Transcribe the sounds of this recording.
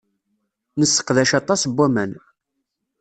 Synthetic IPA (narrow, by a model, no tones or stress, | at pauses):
nəsːə̥qðæʃɑt̪ˤɑsbːæmæn